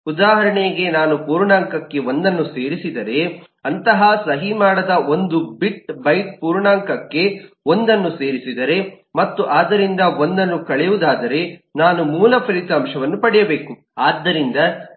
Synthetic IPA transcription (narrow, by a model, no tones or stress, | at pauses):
ud̪aːɦɐɾɐɳejɡe̞naːnupuːɾɳaːŋkɐkːe̞o̞nd̪ɐnːuse̞ːɾisid̪ɐɾe̞ | ɐnt̪ɐɦɐsɐɦimaːɽɐd̪ɐʔo̞nd̪ubiʈ̚bɐjt̪̚puːɾɳaːŋkɐkːe̞ | o̞nd̪ɐnːuse̞ːɾisid̪ɐɾe̞ | mɐt̪ːuʔaːd̪ːɐɾind̪ɐo̞nd̪ɐnːukɐɭɛjud̪aːd̪ɐɾe̞naːnumuːlɐpʰɾiːt̪aːmʂɐʋɐnːupɐɽɛjɐbe̞ːku | aːd̪ːɐɾind̪ɐ